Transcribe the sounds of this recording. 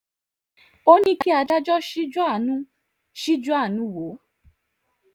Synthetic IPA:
o˦nĩ˦ki˦a˨˧da˦d͡ʒɔ˦ʃi˦d͡ʒɔ˦a˦˨nũ˦ | ʃi˦d͡ʒɔ˦a˦˨nũ˨˦wo˨˦

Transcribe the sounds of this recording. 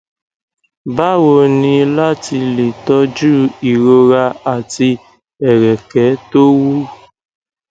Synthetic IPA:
ba˦wo˧ni˧la˦ti˧li˨tɔ˦d͡ʒu˦˨i˨ɾo˧ɾa˧˦a˨ti˦ | ɛ˨ɾɛ˨kɛ˨˦to˦wu˦

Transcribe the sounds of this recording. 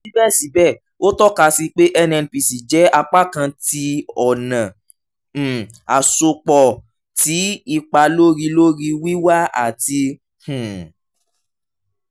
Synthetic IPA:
i˦bɛ˦˨si˨˦bɛ˦˨ | o˦tɔ˦ka˧si˧k͡pe˦ʔɛ˦nɛ˧n˧pi˨si˨d͡ʒɛ˨˦a˧k͡pa˦kã˧ti˧ɔ˨nã˨ | a˨so˧k͡pɔ˨ | ti˨˦i˧k͡pa˧lo˦ɾi˧lo˦ɾi˧wi˦wa˦a̰˦˨ti˧ | h̩˨

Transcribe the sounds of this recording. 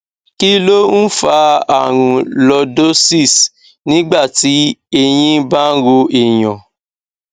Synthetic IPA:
ki˦lo˦n̩˦fa˧˦a˦˨ɾ̃ũ˨lɔ˧do˦si˦˨s | nĩ˦ɡ͡ba˦˨ti˨˦e˧j̃ĩ˦ba˦ɾo˧ʔi˨jɔ̃˨

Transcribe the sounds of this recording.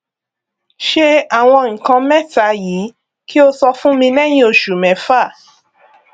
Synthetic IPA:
ʃe˦a˦˨w̃ɔ̃˧ŋ̩˨kã˧mɛ̃˦ta˨˦jiː˨˦ | ki˦o˧sɔ˧fũ˦mĩ˧nɛ˦˨j̃ĩ˦o˧ʃu˨mɛ̃˨˦fa˦˨

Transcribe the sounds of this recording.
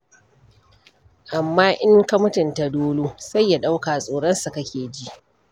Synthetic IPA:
ʔa˨mːaː˦ʔɪ˦ŋkɐ˦mʊ˦tɪ˨nta˨doː˦loː˦sa˦jːa˨ɗa˦wkaː˨sʼoː˨ɽɔ˦nsa˨kɐ˦kʲeː˨d͡ʒi˦ʔ

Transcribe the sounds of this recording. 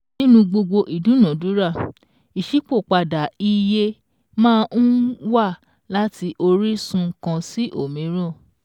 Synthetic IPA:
nĩ˦nũ˧ɡ͡bo˧ɡ͡bo˧ʔi˨dũ˨˦nɔ̃˨˦du˨˦ɾa˦˨ | i˨ʃi˨˦k͡po˦˨k͡pa˧da˨i˧je˧ | mãː˦˧n̩˦wa˦˨ | la˦ti˧ʔo˧ɾi˦sũ˧˦kã˧si˦ʔo˦˨mĩ˨˦ɾ̃ɔ̃˦˨

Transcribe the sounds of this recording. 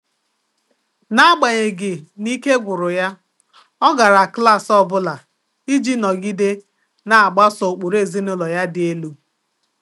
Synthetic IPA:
na˦ɡ͡ba˨ɲe˨ɡɪ˨ni˦ke˦ɡʷʊ˨ɾʊ˨ja˦ | ɔ˦ɡa˨ɾa˨kla˦˨sɔ˦bʊ˦la˨ | i˦d͡ʒi˦nɔ˨ɡi˦de˦ | na˨a˨ɡ͡ba˦sɔ˨o˨k͡po˨ɾe˦˨zi˦nʊ˦lɔ˨ja˦dɪ˨e˦lu˦

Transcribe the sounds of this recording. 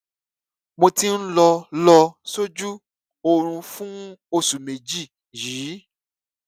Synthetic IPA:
mõ˧ti˦n̩˦lɔ˧lɔ˧so˦d͡ʒu˦ | o˨ɾ̃ũ˧fũ˦o˧su˨me˨d͡ʒi˦˨ | jiː˨˦

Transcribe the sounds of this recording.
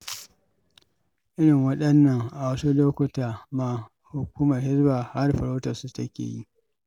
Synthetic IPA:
ʔɪ˦ɽɪ˨ŋwɐ˦ɗɐ˦nːɐ˨ŋʔa˨wɐ˦su˦loː˦kʷʊ˦taː˨maː˨ | hʊ˨kʷuː˦mɐ˨rhɪ˦zbaː˨ha˦rɸɐ˨ɾo˦tɐ˨rsu˦tɐ˦kʲḛː˨ji˦ʔ

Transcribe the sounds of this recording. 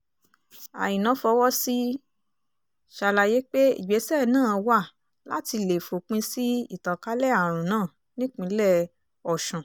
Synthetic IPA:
a̰˨jĩ˨nã˨˦fɔ˧wɔ˦si˦ | ʃa˧la˧je˨˦k͡pe˦ḭ˨ɡ͡be˨˦sɛ˦˨nãː˦˨wa˦˨ | la˦ti˧le˨fo˨k͡pĩ˧si˦ḭ˦˨tã˨ka˨˦lɛ˦˨a˨ɾ̃ũ˨nãː˦˨ | nĩ˦k͡pĩ˧˦lɛ˦˨ | ɔ˨ʃɔ̃˨

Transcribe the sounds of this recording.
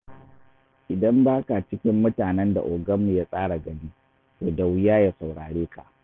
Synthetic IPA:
ʔɪ˨dɐ˦mbaː˦ka˨t͡ʃɪ˦kʲɪ˦mːʊ˦taː˨nɛ˦nda̰˨ʔoː˨ɡɐ˦mːu˨jaː˦sʼaː˦ɽa˨ɡɐ˦niː˦ | toː˨da˨wjaː˦ja˦sa˨wɽaː˨ɽeː˦ka˨ʔ

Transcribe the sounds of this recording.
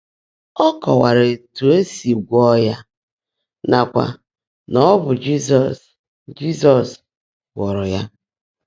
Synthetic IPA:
ɔ˦kɔ˨wa˨ɾe˨tu˨e˦si˨ɡʷɔ˦ja˦ | na˨kʷa̰˨ | nɔ˦bʊ˨d͡ʒi˦s̬ɔ˨s | d͡ʒi˦sɔ˨s | ɡɔ˨ɾɔ˨ja˦

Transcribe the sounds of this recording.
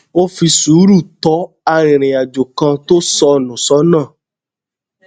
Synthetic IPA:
o˦fi˧su˨˦ɾu˦˨t̪ɔ˨˦ | a˧ɾĩ˨ɾ̃ĩ˨a˨d͡ʒo˨kã˧to˦sɔ˧nũ˨sɔ˨˦nãː˦˨

